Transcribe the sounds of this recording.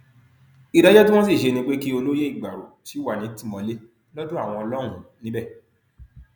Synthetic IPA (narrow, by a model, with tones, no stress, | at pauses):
i˨ɾɛ˦d͡ʒɛ˦tĩ˦w̃ɔ̃˦s̬i˦˨ʃe˧nĩ˧k͡pe˦ki˦o˧lo˦je˦i˦˨ɡ͡ba˨ɾo̰˨ti˨˦wa˦˨nĩ˨˦ti˦˨mɔ̃˧le˦ | lɔ˦dũ˦a˦˨w̃ɔ̃˧ɔ˧lɔ˦ɾ̃ũ˦nĩ˨˦bɛ˦˨